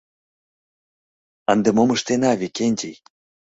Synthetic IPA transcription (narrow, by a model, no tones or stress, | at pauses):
ənd̪emomɤʃt̪enɑβʲekʲenʲtej